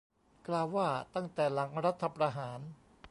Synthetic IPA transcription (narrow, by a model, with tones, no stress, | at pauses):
klaː˧wːaː˥˩t̪a˥˩ŋt̪ɛː˨˩la˩˦ŋɾa˦˥t̪ʰːa˧pɾaː˧ɦaː˩˦n